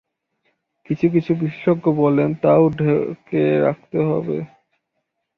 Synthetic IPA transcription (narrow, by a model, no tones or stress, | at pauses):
kit͡ɕʰuk̬it͡ɕʰubiʃe̥ʃoɡːobɔlent̪aoɖʱekeɾa̰k̚t̪eɦɔ̰bḛ